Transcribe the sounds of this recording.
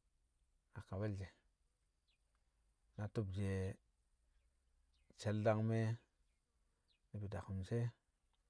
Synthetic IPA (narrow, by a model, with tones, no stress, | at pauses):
a˨ka˨we˦ld͡ʒe˨ | na˨tu˦b̚d͡ʒe˨ | t͡ʃe˨lda˦ŋme˦ | ni˦bi˨da˨ku˨mse˦